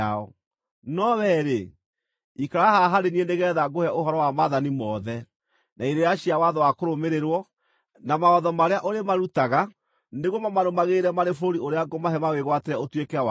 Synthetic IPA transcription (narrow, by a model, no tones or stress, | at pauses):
aɔ̰ | nɔβɛɾe | ikaɾahaɦaɾenieneɣɛːðaɡohɛʔohɔɾɔwamaðanimɔðɛ | naiɾeɾjaɕiawaðɔwakoɾomeɾeɾwɔ | namaɔðɔmaɾeaʔoɾemaɾutaɣa | neɣomamaɾomaɣeɾɛmaɾefoɾioɾeaɡomaɦɛmaweɣwateɾɛotwekɛwa